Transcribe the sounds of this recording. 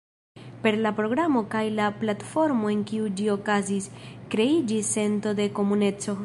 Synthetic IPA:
pe̞ɾlapɾo̞ɡɾamo̞kajlaplatfo̞ɾmo̞e̞nkiud͡ʒio̞kaziskɾe̞id͡ʒisːe̞nto̞de̞ko̞mune̞t͡so̞

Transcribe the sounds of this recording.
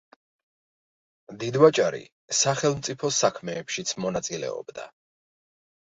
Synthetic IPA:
d̪id̪vat͡ʃʼaɾḭ | saχɛlˠmt̪sʼipʰɔsakʰmɛːpʃit̪sʰmɔnat̪sʼilɛ̰ɔ̰bd̪a̰

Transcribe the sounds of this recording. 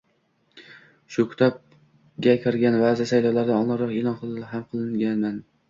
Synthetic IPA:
ʃʊkʲʰʊ̥t̪ʰɒp̚ | ɡʲakʲʰɪɾɡʲanvazasajlɒwlaɾd̪aɒnlˠɑɾɒqelˠɒnqʰɨlɦamqʰɨlˠɪŋɡʲanman

